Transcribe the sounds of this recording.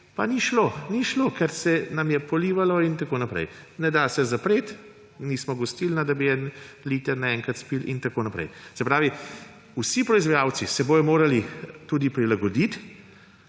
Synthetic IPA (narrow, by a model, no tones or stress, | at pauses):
paniʃloniʃloːkɛɾsɛnamjɛpɔliːʋalɔint̪akonapɾɛ̰jnɛd̪asɛzapɾeːt̪ | niːsmɔɡɔst̪ilnad̪abiɛn | liːt̪ɛɾnaɛŋkɾat̪spilʔḭnt̪akoːnapɾɛ̰jsɛpɾaːʋi | usipɾɔizʋajawt͡s̪isɛboːjɔmoːɾalit̪uːd̪ipɾilaɡɔd̪it̪